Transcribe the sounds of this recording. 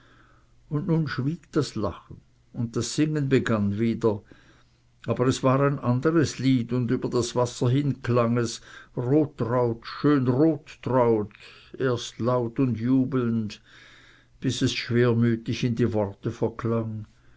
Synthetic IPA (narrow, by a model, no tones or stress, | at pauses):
ʊndnuːnʃv̥iːɡ̥d̥asla̰χn̩ | ʊnt̚d̥asz̥ɪŋənbəɡanviːdɐ | ʔaːbəʁɛsv̥aːʁaɪnʔandəʁəsliːdʊndyːbɐdasv̥asɐɦɪnkʰlaŋɛsʁoːtʁaʊtʃøːnʁoːtːʁaʊtʔeːɐstlaʊtʊndjuːbl̩nt | b̥ɪsɛsʃv̥eːɐmyːtɪçɪndiːvɔʁtəfɛɐkʰlaŋ